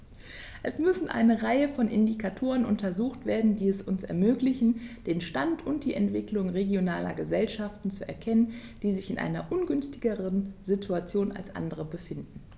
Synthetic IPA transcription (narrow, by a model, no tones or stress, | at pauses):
ʔɛsmʏsn̩ʔa̰ɪnəʁaɪəfɔnʔɪ̰ndikʰatʰoːʁ̞ənʔʊ̰ntɐzuːxtv̥eːɐdn̩diːɛsʊnsɛ̰ɐmøːklɪçn̩d̥eːnʃtantʰʊnt̚d̥iːʔɛntv̥ɪklʊŋʁeɡjonaːlɐ̰ɡəzɛlʃaftn̩t͡suɛ̰ɐkʰɛnənd̥iːzɪçɪnʔa̰ɪnɐʔʊnɡʏnstɪɡəʁənzɪtʰuat͡sjoːna̰lsʔa̰ndəʁəbəfɪndn̩